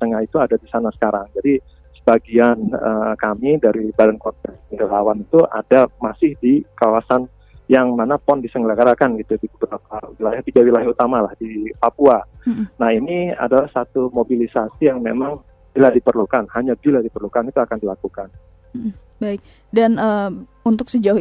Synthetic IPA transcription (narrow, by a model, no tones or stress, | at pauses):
t̪əŋahit̪uadadisanasə̥kaɾaŋd͡ʒadi | sə̥baɡianə̰kamidaɾibadankɔnt̪ɛnəŋɡəlawanit̪uʔa̰damasɪhdikawasan | jaŋmanapɔndisəŋɡəlaɡaɾakanɡit̪udibəbəɾap̚awilajaht̪iɡawilajaut̪amalahdipapuanahinia̰dalahsat̪umobilisasijaŋmemaŋ | b̥iladipərlukanhaɲabiladipərlukanit̪uakandilakukan̩ | baɪk̚ | danə | unt̪ʊk̚səd͡ʒau